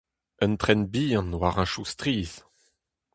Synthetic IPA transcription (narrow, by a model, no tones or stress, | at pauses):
ə̃nt̪χɛnbiːɑ̃nwaʁãʃustʁiːz